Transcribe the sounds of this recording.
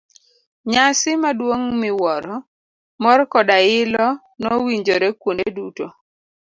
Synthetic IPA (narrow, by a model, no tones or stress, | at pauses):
ɲasɪmadwoŋmɪwɔɾɔ | mɔrkɔdaɪlɔ | nɔwiɲd͡ʒoɾɛkwoneduto